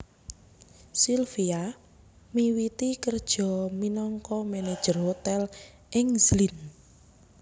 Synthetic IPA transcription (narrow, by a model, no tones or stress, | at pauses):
silfia | miwit̪ikərd̥ʒ̥ɔ̤minɔŋkɔmened̥ʒ̥ərhot̪ɛl | ʔɪŋzlin